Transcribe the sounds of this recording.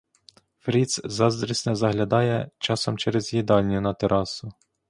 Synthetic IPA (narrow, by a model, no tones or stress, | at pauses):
fɾʲit̪szɑzd̪ɾʲisʲnɛzɐɦlʲɐd̪ɑjɛt͡ʃɑsɔmt͡ʃɛɾezjid̪ɑlʲnʲʊnɐt̪eɾʔɑsʊ